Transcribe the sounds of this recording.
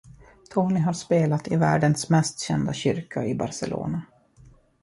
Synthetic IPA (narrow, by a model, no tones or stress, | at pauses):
t̪ʰoːnɪɦaɾʂpeːlat̪ɪvæːɖənsmɛst̪ɕɛnd̪aɕʏɾkʰaɪbaɾsɛ̰lo̰ːna